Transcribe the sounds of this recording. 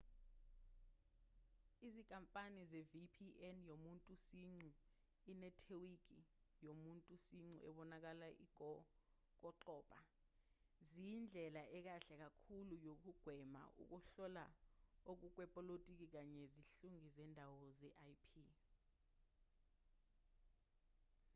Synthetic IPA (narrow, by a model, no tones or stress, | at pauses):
izikʼampʼanizevipʰiʔɛnjomuntʼusiŋ͡ǀu | inɛtʰewikʼi | jomuntʼusiŋ͡ǀuʔɛ̰ɓɔnak̬alaʔiɡ̥ʱɔ | k̬ɔǁɔːpʼa | zind͡ɮʱɛlaʔɛk̬aɬɛk̬akʰulujok̬uɡ̥ʱwɛma̰ʔṵk̬uɬɔlaok̬uk̬wɛpʼɔlotʼik̬ik̬aɲɛziɬuŋizɛndʱawɔzɛʔajpʰi